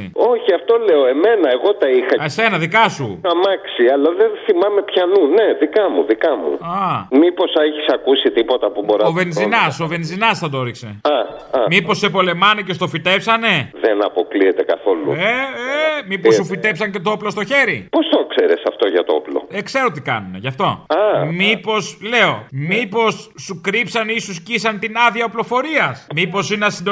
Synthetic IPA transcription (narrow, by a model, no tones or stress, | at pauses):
ḭo̞çiɐft̪o̞le̞oe̞me̞nɐe̞ɣo̞t̪ɐixɐesenɐðikɐsuɐmɐksiɐlɐðenθimɐme̞pçɐnune̞ðikɐmuðikɐmṵɐmipo̞sɐeçisɐkusit̪ipo̞t̪ɐpuboɾɐovenzinɐsove̞nzinɐsθɐd̪ooɾikse̞̰ɐ | ɐmipo̞sːepo̞le̞mɐnece̞st̪o̞fit̪e̞psɐne̞ðenɐpo̞kliet̪e̞kɐθo̞lṵeemipossufit̪e̞psɐɲce̞t̪ooplo̞st̪o̞çe̞ɾipo̞st̪okseɾesɐft̪o̞ʝɐt̪ooplo̞̰ekse̞ɾot̪ikɐ̰nune̞ʝɐft̪o̞ɐmipo̞sle̞o̞mipo̞sːukɾipsɐnisuscisɐnt̪inɐðiɐoplo̞fo̞ɾiɐsmipo̞sineɐsind̪